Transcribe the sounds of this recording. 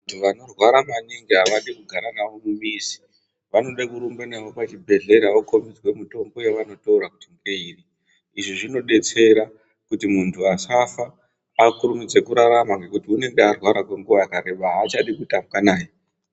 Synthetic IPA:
ntʰuʋano̞rwaɾamaniŋɡiɦaʋaɗikuɡʱaɾanaʋo̞mumiːsi̥ | ʋano̞ɗakuɾumbenaʋo̞pat͡ʃibʱe̞ɮe̞ɾaʋoko̞mid͡zwe̞muto̞mbo̞je̞ʋano̞toɾakutiŋɡeiːri | iʐiʐino̞ɗe̞t͡se̞ɾa | kutimuntʰuasafaː | kurumid͡ze̞kuɾaɾamakwe̞kutiune̞ŋɡearwaɾakwe̞ŋɡuʋaakaɾe̞ɓaɦaːt͡ʃaɗikutamɡanaːj

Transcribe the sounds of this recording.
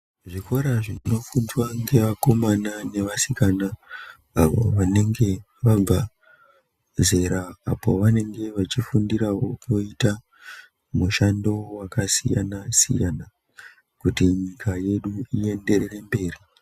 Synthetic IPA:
ʐiko̞ɾaʐino̞fundwaŋɡe̞ʋako̞manane̞ʋasikanaː | ʋo̰ʋane̞ŋɡe̞ | ʋab͡va | ze̞ɾaːpo̞ʋane̞ŋɡe̞ʋat͡ʃifundiɾawo̞koita | muʃando̞wakasḭja̰nasḭjana | kutiɲikʰaje̞ɗuie̞nde̞rere̞mbe̞ːri

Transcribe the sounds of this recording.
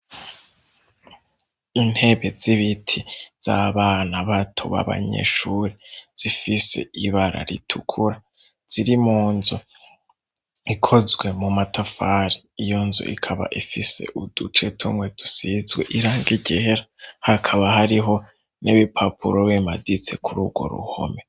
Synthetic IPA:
in̥he̞βe̞ziβitʰiz̥a̰βaːnaβatʰo̰βa̰βa̰ɲḛʃuːɾiz̥ifise̞̰iβaɾa̰ɾḭtʰukʰuɾa | z̥iɾimuːnzo | ikʰo̞zɡwe̞mumatʰafaɾiːjonzo̰ʔḭkʰaβa̰ʔifise̞̰ʔud̥ut͡ʃe̞tʰumwe̞d̥usizɡwḛʔiɾaːŋɡiɟeeɾahakʰaβahaɾiɦo̞ | neβipʰapʰuɾowemadit͡se̞kʰuɾuɡ̥wo̞̰ɾṵho̰me̞

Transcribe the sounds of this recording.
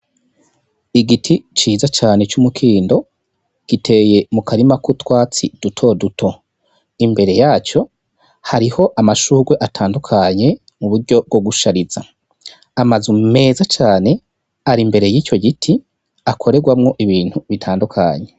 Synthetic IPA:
iɡitʰit͡ʃiːzat͡ʃaːne̞t͡ʃumukʰiːndo̞ | ɡ̥itʰe̞je̞mukaɾimakutwaːt͡sid̥utʰo̞dutʰo̞ | imbe̞ɾe̞jaːt͡ʃo̞ | haɾiho̞ʔamaʃuːɡwe̞ʔatʰaːndukʰaɲe̞ | muβuɾɟo̞b̚ɡoɡuʃaɾiz̥a | amazume̞ːzat͡ʃaːne̞ | aɾimbe̞ɾe̞jiːt͡ʃo̞ɡitʰi | akʰo̞ɾe̞ɡwamŋo̞ʔiβiːn̥huβitʰaːndukʰa̰ɲe̞

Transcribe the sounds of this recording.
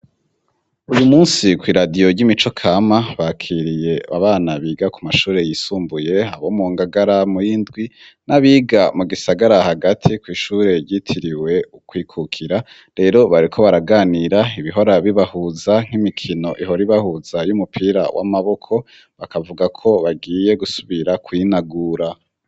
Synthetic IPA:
ujumuːnsikwiːɾadijo̞ɾɟimit͡ʃo̞kʰaːmaβakʰiːɾije̞a̰βaːnaβiːɡakumaʃuːɾe̞jisuːmbuje̞a̰βomuːŋɡaɡaɾamujindɡwinaβiːɡamuɡisaɡaɾahaɡatʰikwiːʃuːɾe̞ɾjitʰiɾiwe̞ukwiːkʰukʰiɾa | ɾe̞ɾo̞βaɾikʰo̞βaɾaɡaːniɾaiβiɦoɾaβiβahuzaŋ̥imikʰino̞ʔiɦo̞ɾiβahuzajumupʰiːɾa̰wʔa̰maβo̞kʰo̞ | βakavuɡakʰo̞βaɡiːje̞ɡusuβiɾakwinaɡuːɾa

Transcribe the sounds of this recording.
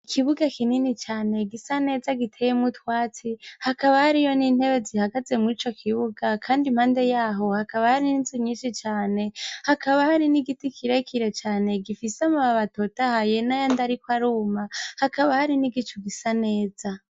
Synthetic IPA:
ikʰiβuɡakininit͡ʃaːne̞ɡisane̞ːzaɡitʰejemutwaːt͡sihakaβahaɾijo̞niːn̥he̞βe̞zihaɡaze̞muɾit͡ʃo̞kʰiβuɡakʰaːndimhaːnde̞jaːɦo̞hakaβahaɾininziɲiːnʃit͡ʃaːne̞hakʰaβahaɾiniɡitikʰiɾekʰiɾe̞t͡ʃaːne̞ɡifisamuβaβatotahajenajandaɾikwaɾuːmahakaβahaɾiniɡit͡ʃuɡisane̞ːza

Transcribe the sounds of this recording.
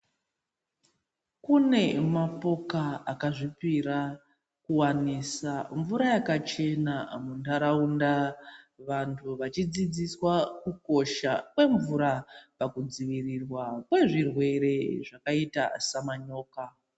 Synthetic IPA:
kune̞mapo̞kaakaʐipiɾa | kuwanisaɱvuɾajakat͡ʃe̞namundaɾaundaʋantʰuʋat͡ʃid͡zid͡ziswakuko̞ʃakwe̞ɱvuɾapakud͡ziʋirirwakwe̞ʐirwe̞ɾe̞ʐakaita̰samaɲo̞ːka

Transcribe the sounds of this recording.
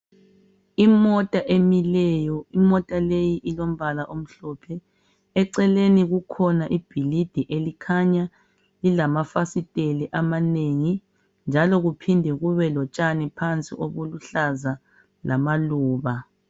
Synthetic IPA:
imɔtʼaʔemilɛjɔimɔtʼalejiʔilom̩βalaʔom̩ɬɔpʰɛ | ɛǀɛleniɣukʰɔnaʔib̥ʱilid̥ʱiʔelikʰaɲa | lilamafasitʼeliʔamaneŋi | nd͡ʒʱalɔɣupʰindʱɛɣuβɛlɔt͡ʃʼanipʰant͡sʼḭʔoɣuluɬaza | lʔamaluːβa

